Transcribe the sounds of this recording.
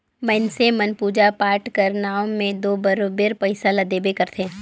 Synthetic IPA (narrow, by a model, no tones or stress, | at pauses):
məɪnsemənpuːd͡ʒapaːɾʈkɐɾnaːõmẽd̪oːbɐɾobeɾpɐɪsalɐd̪eːbekɐɾt̪ʰeː